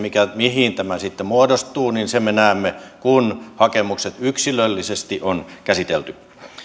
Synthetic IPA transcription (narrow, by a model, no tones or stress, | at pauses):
mikæmihint̪æmæsit̪ːemuodost̪uːninsemenæˑːmːekunhɑkemukset̪yksilølːisest̪iʔonkæsit̪elt̪y